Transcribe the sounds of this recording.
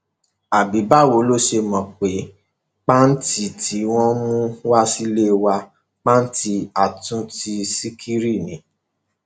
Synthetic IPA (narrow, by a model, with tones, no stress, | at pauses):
a˨bi˨˦ba˦˨wo˨˦lo˦ʃe˧mɔ̃˨k͡pe˨˦ | k͡pa˦n̩˦ti˦˨ti˨˦w̃ɔ̃˦mũ˦wa˦si˦le˦wa˧ | k͡pa˦n̩˦ti˧a˨tũ˦ti˧si˦kʰi˦ɾi˦˨nĩ˨˦